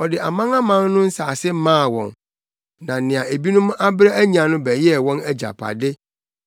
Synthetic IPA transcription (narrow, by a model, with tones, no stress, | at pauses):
ɔ˨dɪ˨ʔa˨mã˦ŋã˦mã˦n˦nʊ̃˦n̩˦saː˨sɪ˦mãː˦˨wɔ̰̃˨n | nã˨nɪ̃˨ã˨e˨bi˦nʊ̃˦m˦a˦bɾɛ˦æ˦ɲĩ˨ã˨nʊ̃˦bɛ˨jɛ˦˨wɔ̃˦næ˦d͡ʑa̰˨pʰa̰˨dɪ˦